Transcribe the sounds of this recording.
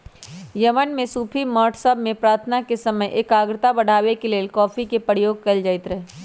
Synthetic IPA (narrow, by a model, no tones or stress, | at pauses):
jɐmənmẽsuːpʰimɔːʈʰsəbmẽpɾaːɾt̪ʰnakesɐməjʔeːkaːɡɾɪt̪abɐɽ̤ʱaːwekeleːlkɔːfʰikepəɾjoːɡ̚kɐld͡ʒaːɪt̪ɾɐɦe